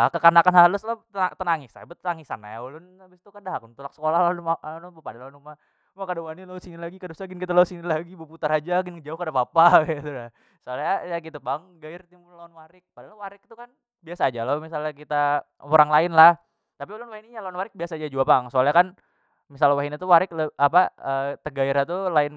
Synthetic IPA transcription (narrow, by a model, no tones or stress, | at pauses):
lakəkarnakanɦalʊslaat̪ənaŋɪsa̰bət̪aŋisana̰julʊnabɪst̪ukadaɦakunt̪ulak̚sə̥kolahlanmalʊnpupadalaunuma | makadawanilaʊsinilaɡikadusaɡɪnkit̪alaʊsinilaɡibuput̪aɾad͡ʒaɡɪnkəd͡ʒaʊhkadapapakat̪uda | soalɲajakit̪ubaŋɡaɪrt̪imʊlaʊnwaɾɪk̚padalawaɾɪk̚t̪ukan | biasaːd͡ʒalamis̬alɲakit̪aoɾaŋlaɪnlah | t̪apiulʊnwahiniɲalaunwaɾɪk̚biasad͡ʒad͡ʒuapaŋsoalɲakan | misalwaɦinit̪uwaɾɪk̚ləapaət̪əɡaɪɾat̪ulaɪn